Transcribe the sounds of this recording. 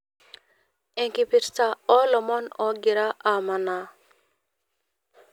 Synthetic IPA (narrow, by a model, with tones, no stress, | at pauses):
ɛ˨ŋki˨pi˨ɾsa˦ɔ˦lɔ˨mɔ˦nɔ˨ɡi˨ɾa˦ʔa˨ma˨na˨